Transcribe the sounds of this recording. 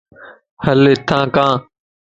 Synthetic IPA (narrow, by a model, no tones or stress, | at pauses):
həleːt̪ʰãːkãː